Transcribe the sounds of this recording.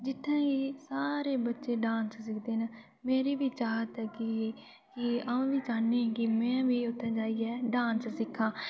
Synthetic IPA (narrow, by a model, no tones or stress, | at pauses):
d͡ʒɪt̪ʰːɛ̃ːɡiːsaːɾeːbətːʃeːɖãːnssɪkʰd̪eːnə | meːɾeːʋiːt͡ʃaːɦət̪ɛːkɪ | kɪãːʋiːd͡ʒaːneːɛ̃ːkɪmɛ̃ːʋiːʊt̪ʰːɛ̃ːd͡ʒaːiːɛːɖaːnssɪkʰːãː